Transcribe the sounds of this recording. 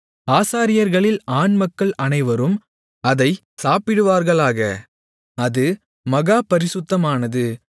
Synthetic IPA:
aːsaːɾɪjɐɾɣɐɭɪlaːnmɐkːɐɭʔɐnɐɪʋɐɾɯm | ɐðɐɪ | saːpɪɽɯʋaːɾɣɐɭaːɣɐ | ɐðɯ | mɐɣaːpɐɾɪsʊt̪ːɐmaːnɐðɯ

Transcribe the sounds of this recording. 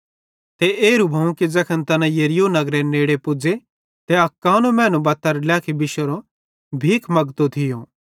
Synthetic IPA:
t̪eeːɾubʱɐũkid͡zɐkʰənt̪ɐnãjɐɾɪjonɐɡɾeneːɽepʊd͡ʒe | t̪eɐkːaːnũmɛ̃ːnũbɐt̪ːəɾlɛːkʰibɪʃəɾo | bʱiːkʰmɐɡt̪ot̪ʰɪjõː

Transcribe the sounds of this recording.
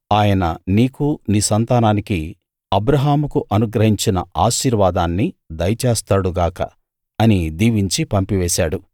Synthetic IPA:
aːjɐnɐniːkuniːsɐnt̪aːnaːniki | ɐbɾɐɦaːmukuʔɐnuɡɾɐɦiɲt͡ʃinɐaːʃiːɾʋaːd̪aːnːid̪ɐjɐt͡ʃeːst̪aːɽuɡaːkɐ̰ | ɐnid̪iːʋiɲt͡ʃipɐmpiʋɛːʃaːɽu

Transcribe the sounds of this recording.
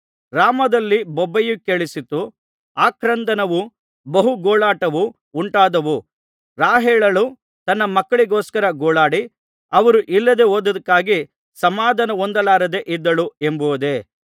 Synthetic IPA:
ɾaːmɐd̪ɐlːibɔbːɐjukeɭisit̪ːu | aːkɾɐnd̪ɐnɐʋu | bɐɦuɡoːɭaːʈɐʋu | uɳʈaːd̪ɐʋu | ɾaːɦɛːɭɐlu | t̪ɐnːɐmɐkːɐɭiɡɔːskɐɾɐɡoːɭaːɽi | ɐʋɐɾuʔilːɐd̪e̞ɦoːd̪ɐd̪ɐkːaːɡi | sɐmaːd̪ʱɐnɐond̪ɐlaːɾɐd̪e̞ʔid̪ːɐɭuembuʋɐd̪e̞

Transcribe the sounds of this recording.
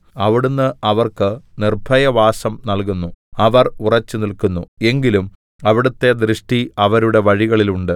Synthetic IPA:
ɐʋiɽunːɨʔɐʋɐrkɨnirbʱɐjɐʋaːsɐmnɐɭkunːuɐʋɐrurɐt͡ɕːɨnilkunːue̞ŋɡilum | ɐʋiɽut̪ːe̞d̪ɾɨʂʈiɐʋɐɾuɽe̞ʋɐɻiɣɐɭiluɳɖɨ

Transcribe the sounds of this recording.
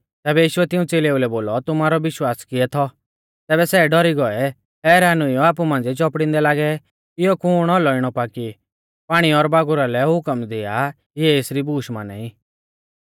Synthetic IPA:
t̪ɛːbɛjiːʃʊɛt̪ɪ̃ũt͡seːleːulɛboːlɔt̪ʊmaːɾɔʋɪʃwaːskɪɛt̪ʰɔ | t̪ɛːbɛsɛːɖɔɾiɡɔɛ | ɦɛːɾanʊiɔaːp̬umãːnd͡zit͡ʃɔpɽɪ̃nd̪ɛlaːɡɛ | ɪjɔkʊːɽ̃ɔlɔɪɽ̃ɔpaːki | paːɽ̃iɔɾbaːɡʊɾalɛɦʊkəmd̪ɪa | jɛeːsɾibuːʃma̰ːna̰i

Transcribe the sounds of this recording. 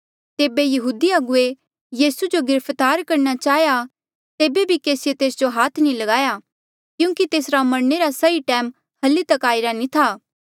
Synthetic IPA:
t̪eːbejɐɦuːd̪iɐɡʊe | jiːsud͡ʒoɡɪɾəpʰt̪aːɾkɐɾñat͡ʃaːɦja | t̪eːbebʱikeːsɪjet̪eːsd͡ʒoɦaːt̪ʰnĩlɐɡaːja | kjũːkit̪eːsɾamɐɾneɾasɐiʈɛːm | hɐlːit̪ɐkaːiɾanĩt̪ʰaː

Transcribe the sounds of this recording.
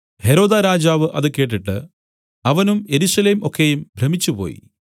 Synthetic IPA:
he̞ɾo̞ːd̪aɾaːd͡ʑaːʋɨʔɐðɨke̞ːʈ̬ːiʈːɨ | ɐʋɐnume̞ɾusɐleːmo̞kːejumbʱɾɐmit͡ɕːupo̞̰ːjḭ

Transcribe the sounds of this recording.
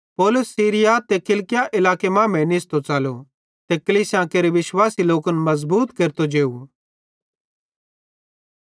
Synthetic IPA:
poːlʊsːiːɾɪjat̪ekɪlkɪjaʔɪlaːkemãːmɛ̃nɪst̪ot͡saːlo | t̪ekɐliːsjãːkeɾeʋɪʃwaːsiloːkənmɐzbuːt̪keːɾt̪od͡ʒeːu

